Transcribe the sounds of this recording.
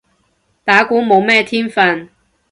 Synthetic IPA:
t̪aː˨˥kuː˨˥mo˨˧wmɛː˥t̪ʰiː˥nfɐ˧n

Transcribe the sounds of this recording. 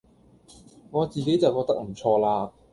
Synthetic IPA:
ŋɔː˨˧t͡siː˨ke˨˥jt͡sɐ˨wkɔː˧k̚t̪ɐ˥k̚m̩˨˩t͡sʰɔː˧laː˧

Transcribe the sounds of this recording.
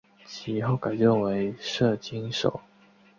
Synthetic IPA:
t͡ɕʰi˧˥xo˥˩ʊka˨˩ɪʈ͡ʂə˥˩ŋwe˧˥ɪʂɤ˥˩t͡ɕi˥ŋʂo̰˨˩˦ʊ

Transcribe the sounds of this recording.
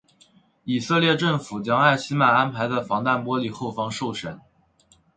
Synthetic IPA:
i˨˩sɤ˥˧ljɛ˥˧ʈ͡ʂɤ˥˩ŋfu˨˩t͡ɕjɑ˥ŋa˥˩ɪɕi˥ma˨˩na˥npʰa˧˥ɪd̪ə˧fɑ˧˥ŋt̪a˥˩npwɔ˥li˨˩xo˥˩ʊfɑ˧˥ŋʂo˥˩ʊʂə˨˩˦n

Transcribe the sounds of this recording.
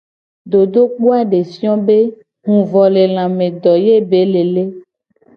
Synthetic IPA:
d̪o˨d̪o˦k͡po˦a˦ɖe˨si˦ɔ̃˦be˦ | ɦũ˨vɔ˨le˨l̃ã˨mẽ˨d̪ɔ˨je˦be˨˦le˨le˦

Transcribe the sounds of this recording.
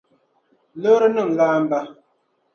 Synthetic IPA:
lə˦ɾə˦nə˦˨m̩˨laː˦m̩˦ba˦

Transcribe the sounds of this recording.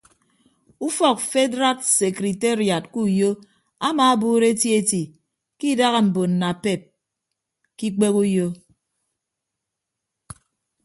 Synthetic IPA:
u˦fɔ˦˨k̚fe˦dɾa˦tse˨kɾi˨te˦ɾja˨t̚ku˦˨jo˦ | a˦ma˨a˦buː˦ɾe˦ti˦e˦ti˨ | ki˦da˦ɣa˨m̩˨bo˨n̩ː˨a˨pe˦˨p̚ | ki˦k͡pe˦ku˦jo˦

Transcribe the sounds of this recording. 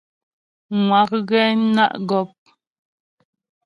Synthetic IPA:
ŋwa˨k̚ɣɛ˦na̰˦ʔɡɔ˦˨p̚

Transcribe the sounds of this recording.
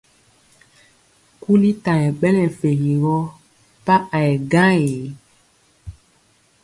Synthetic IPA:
ku˦li˦ta˨jɛ̃˨ɓɛ˦lɛ̃˨fe˨ɣi˨ɣɔ˦ | pa˦ʔa˨ɛ˨ɡã˦e˨˦

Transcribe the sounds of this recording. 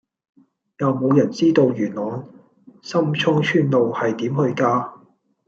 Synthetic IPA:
jɐ˨wmo˨˧wjɐ˨˩nt͡siː˥t̪o˨˧wjyː˨˩nlɔː˨˥n | sɐ˥mt͡ʃʰʊ˥ŋt͡ʃʰyː˥nlo˨whɐ˨jt̪iː˨˥mhɵ˧ɥkaː˧

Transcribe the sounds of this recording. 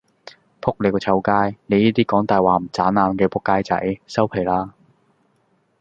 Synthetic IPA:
pʰʊ˥k̚le˨˧kɔ˧t͡sʰɐ˧wkaː˥jne˨˧jiː˥t̪iː˥kɔː˨˥ŋt̪aː˨jwaː˨˩m̩˨˩t͡saː˨˥nːaː˨˧mkɛː˧pʰʊ˥kːaː˥jt͡sɐ̰˨˥jsɐ˥wpʰe˨˩laː˥

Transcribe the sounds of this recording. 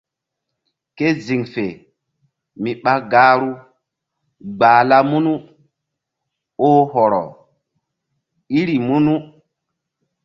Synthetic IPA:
ke˦zi˨ŋfe˨ | mi˨ɓa˦ɡaː˦ɾu˦ | ɡ͡baː˨la˦mu˦nu˦ | oː˦ɦɔ˨ɾɔ̰˨ | i˦ɾi˨mu˦nu˦

